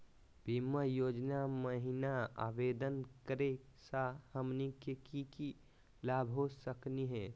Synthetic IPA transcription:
bʱimːəjod͡ʒnaməɦinaa̰bed̪ənkəɾe | sahəmnikekiki | labʱɦosəkniɦɛ̃

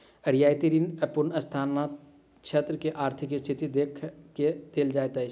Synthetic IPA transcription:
ɐɾjaːjt̪iɾiːnəpʊnɐst̪ʰaːnːat̪ | t͡ʃʰɐt̪ɾəkeʔaːɾt̪ʰɪkst̪ʰɪt̪id̪eːkʰked̪̥eld͡ʒaːjt̪ɐ

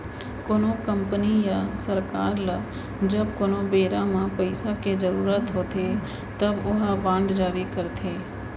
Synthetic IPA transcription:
konõkəmpənijasəɾkaːɾla | d͡ʒəbkonõbeːɾamãpəɪsaked͡ʒəɾuːɾət̪ɦoːt̪e | t̪əbʊɦabãːɳɖd͡ʒaːɾikəɾt̪ʰeː

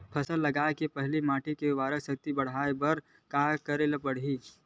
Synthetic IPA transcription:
pʰɐsəlːɐɡaːekepəɦlimaːʈʰikeʋaːɾəsək̚t̪ibɐɽ̤aːebɐɾ | kaːkəɾelapəɽ̤ɦiː

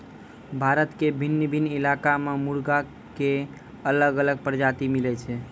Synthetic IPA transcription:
bʱaɾət̪kebʱinːəbʱinːilakamemuɾɡa | ke | ələɡələɡ̚pɾəd͡ʒat̪imilɛt͡ʃʰɛ

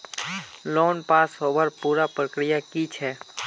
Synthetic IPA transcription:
loːnpaːsɦoːʋəɾpuːɾapɾəkɾɪjakit͡ʃʰɛː

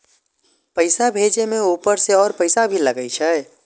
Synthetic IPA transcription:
pəɪsabʱeːd͡ʒemẽuːpəɾseɔːɾpəɪsabʱiləɡəit͡ʃʰə

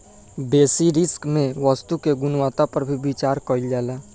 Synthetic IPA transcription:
beːsiɾɪskmẽʋəst̪ukeɡʊnwat̪apəɾbʱibit͡ʃaːɾkəild͡ʒaːlaː

